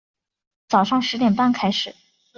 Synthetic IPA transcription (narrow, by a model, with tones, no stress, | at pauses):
t͡sɑ˨˩ʊʂɑ˥˩ŋʂɻ̩˧˥t̪jɛ˨˩npa˥˩nkʰa˥ɪʂɻ̩˨˩˦